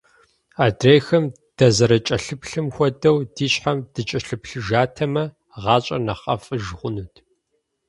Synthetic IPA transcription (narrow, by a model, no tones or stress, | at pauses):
aːdreːxɐm | d̥ɐzɐɾɐt͡ʃʼɐɬɨpʰɬɨmxʷɔdɐwdiːɕħamd̥ɨt͡ʃʼɐɬɨpɬɨʒaːtʰɐmɐ | ʁɑːɕʼɐ̰nɐχɐ̰fʼɨʒʁʷʊnuːtʰ